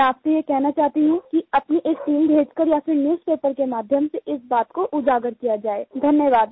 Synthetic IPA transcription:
ɛaːpsejekɛɦnat͡ʃaːɦt̪iɦũkiɐpniʔeːksiːlbʱeːd͡ʒkəɾjafɪɾnjuːspeːpəɾkemaːd̪ʱjəmseʔɪsbaːt̪koʔʊd͡ʒaːɡəɾkijad͡ʒaːeːd̪ʱɐnjəʋaːd̪̚

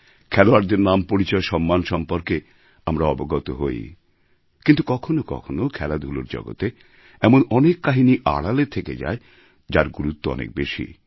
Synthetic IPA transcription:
kʰɛloaɾd̪eɾnampoɾit͡ɕɔeʃɔmːanʃɔmpoɾke | amɾaɔboɡɔt̪oɦoj | kint̪ukɔkʰonokɔ̰kʰonokʰɛlad̪ʱulo̰ɾd͡ʑɔ̰ɡo̰t̪e | ɛmonɔnekːaɦiniʔa̰ɽalet̪ʰeked͡ʑa̰e | d͡ʑaɾɡuɾut̪ːoɔ̰nḛk̚beʃḭ

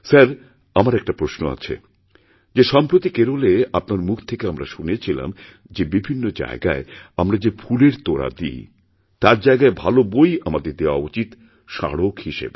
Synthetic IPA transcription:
saɾ | amaɾɛk̚ʈapɾoʃno̰a̰t͡ɕʰḛ | d͡ʑeʃɔmpɾot̪ikeɾoleapnaɾmukʰt̪ʰekeamɾaʃunet͡ɕʰila̰m | d͡ʑebibʱinːod͡ʑa̰eɡa̰eamɾad͡ʑefʰuleɾt̪oɾa̰d̪ḭː | t̪aɾd͡ʑaeɡaebʱalobojamad̪eɾd̪eoa̰ut͡ɕit̪ | ʃa̰ɽokhiʃḛbe

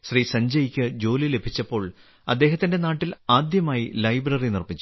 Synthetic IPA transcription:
ɕrisɐɲd͡ʑɐjikʲːɨd͡ʑo̞ːlile̞bʱit͡ɕːɐpːo̞ːɭ | ɐ̰d̪ːeːɦɐt̪ːinde̞naːʈːilaːd̪jɐmaːjilɐjbrɐrinirpit͡ɕːu

